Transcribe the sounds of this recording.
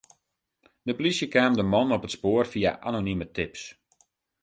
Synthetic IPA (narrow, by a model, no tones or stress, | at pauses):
dəplisjəkaːmdəmɔnɔpətspoərfia̰ʔanonimətɪps